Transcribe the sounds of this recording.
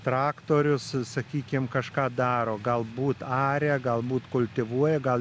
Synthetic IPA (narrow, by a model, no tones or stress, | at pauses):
t̪ɾɑːkt̪oːɾʲʊssɐkʲiːkʲɪmkɐʃkɑːd̪ɑːɾoːɡɐlˠbuːt̪ɑːɾʲɛɡɐlˠbuːt̪kʊlʲt̪ʲɪʋuɔjɛɡɐlˠ